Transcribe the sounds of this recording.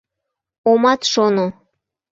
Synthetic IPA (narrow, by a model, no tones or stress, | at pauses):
omɑt̪ʃono